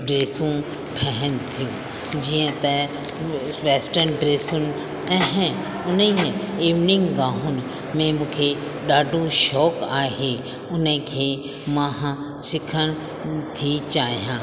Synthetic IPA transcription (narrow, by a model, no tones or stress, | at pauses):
ɖɾeːsũ | ʈʰɛɦənt̪ʰijũː | d͡ʑiːə̃t̪ɛ | ʋeːsʈənɖɾeːsʊnɪ̆ | ɛɦɪ̃ | ʊniiːʋnɪ̃ŋɡɡãːɦʊnɪ̆ | mẽmũːkʰe | ɗaːɖʱõʃɔːkaːɦe | ʊnəkʰeː | mãɦ | sɪkʰəɽ̃ | t̪ʰit͡ʃaːɦijãː